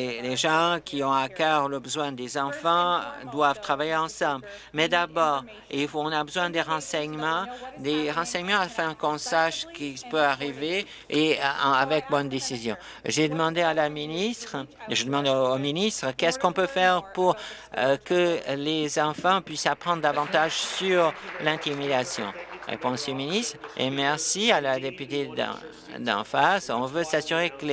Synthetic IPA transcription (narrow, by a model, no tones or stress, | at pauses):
eleʒɑ̃kʲiɔ̃akœʁləbəzwɛ̃d̪ezɑ̃fɑ̃d̪wav̥t̪χavajeɑ̃sɑ̃blə | mɛd̪abɔːʁ | ifɔ̃nabəzwɛ̃d̪eʁɑ̃sɛɲmɑ̃d̪eʁɑ̃sɛɲmɑ̃afɛ̃kɔ̃saʃkipøaʁiveː | avɛk̚bɔnd̪esizjɔ̃ | ʒed̪əmɑ̃d̪ealaminist̪χʒəd̪əmɑ̃d̪ominist̪χəkɛskɔ̃pøfɛʁpuʁ | kəlezɑ̃fɑ̃pɥisapχɑ̃d̪ʁd̪avɑ̃t̪aʒsyʁlɛ̃t̪imid̪asjɔ̰̃ʁḛpɔ̃syminist̪χḛmɛʁsialad̪epyt̪ed̪ɑ̰̃ | d̪ɑ̰̃fasɔ̃vøsasyʁekəl